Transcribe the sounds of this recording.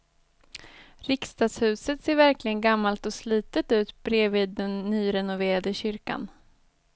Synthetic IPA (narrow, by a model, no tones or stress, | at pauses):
ɾɪkst̪ɑːd̪shʉ̟ːsət̪seːɾvæɾklɪɡənɡamːalt̪ɔsliːt̪ət̪ʉ̟ːt̪b̥ɾeːvɪːd̪ːɛnːyːɾɛnʊveːɾad̪əɕʏɾka̰n